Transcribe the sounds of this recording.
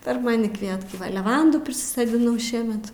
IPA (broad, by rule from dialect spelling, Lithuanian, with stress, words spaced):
pʲɛr ˈmɑːnʲɪ ˈkʋʲiɛtkɐɪ lʲɛˈʋɐnduː pʲrʲɪsʲɪsoːdʲɪˈnɐʊ ˈʃʲiɛmʲɛt